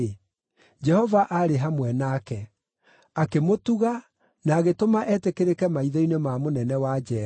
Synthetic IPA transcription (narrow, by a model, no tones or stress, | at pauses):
d͡ʒɛhɔvaʔaɾeɦamwɛnakɛ | akemotuɣa | naːɣetomaʔɛːtekeɾekɛmaiðɔinemamonɛnɛwad͡ʒɛ